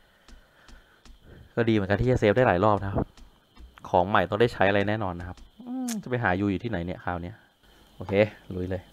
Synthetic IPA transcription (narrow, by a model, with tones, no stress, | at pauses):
kɔː˥˩diː˧mɯ˨˦nka˧t̪ʰiː˥˩a˧˨˩seː˦˥p̚daː˥˩laː˩˦jlɔː˥˩p̚na˧kʰa˦˥p̚ | kʰɔː˩˦ŋma˨˩jt̪ɔ˥˩ŋdaː˥˩t͡ɕʰa˦˥jʔa˧a˧jnɛː˥˩nɔː˧nːa˦˥kʰa˦˥p̚ʔɯː˧t͡ɕa˨˩pa˧jɦaː˩˦juː˧juː˨˩t̪ʰiː˥˩a˩˦jni˦˥˩ɐkʰaː˨˩wni˦˥ɐ | ʔoː˧kʰeː˧lu˨˦jlɤː˧j